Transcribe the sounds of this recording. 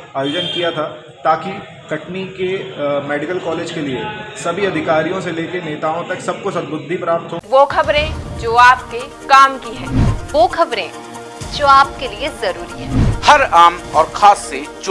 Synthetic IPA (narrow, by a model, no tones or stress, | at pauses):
ajoːd͡ʒənkijat̪ʰaː | t̪aːki | kɐʈnikemɛːɖɪkəlkɔːleːd͡ʒkeliesɐbʱiɐd̪ʱɪkaːɾijõseleːkeneːt̪aːõt̪ɐksɐb̚kosɐd̪̚bʊd̪ʱːipɾaːp̚t̪ɦoːʋoːkʰɐbɾẽd͡ʒoːaːp̚ke | kaːmkiɦɛ̃ːʋoːkʰɐbɾḛ̃ː | d͡ʒoːaːp̚keliezɐɾuːɾiɦɛːhɐɾaːmɔːɾxʰaːsːet͡ʃ